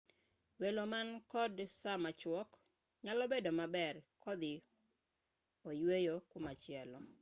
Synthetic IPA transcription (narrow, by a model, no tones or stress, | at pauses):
welomankɔdsamat͡ʃwɔk | ɲalɔbedomabɛrkɔd̪ɪ | ojwejokomat͡ʃɪɛlɔ